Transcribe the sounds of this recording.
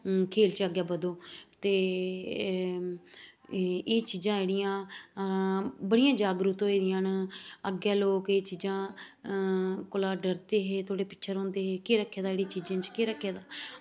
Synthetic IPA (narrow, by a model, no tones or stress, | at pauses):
kʰeːlt͡ʃəɡjaːbəd̪õːt̪eː | eːt͡ʃiːzãːeːɽijãː | bəɽijãːd͡ʒaːɡɾʊt̪õːeːd̪ɪjãːnəɡjaːloːkeːt͡ʃiːd͡ʒãː | kʊlaːɖəɾt̪eːɦeːt̪ʰoːɽeːpɪ̥tːʃʰəɾɦoʊ̃ːnd̪eːɦeːkɪɾəkʰːeːd̪aeːɽit͡ʃiːd͡ʒãːt͡ʃkeɾəkʰːeːd̪aː